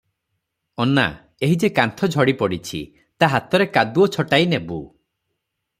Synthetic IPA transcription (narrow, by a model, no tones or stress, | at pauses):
ɔna̰ | eɦid͡ʒekant̪ʰɔd͡ʒʱɔɽipɔɽit͡ʃʰḭ | t̪aɦat̪ɔɾekad̪uɔt͡ʃʰɔʈajinebu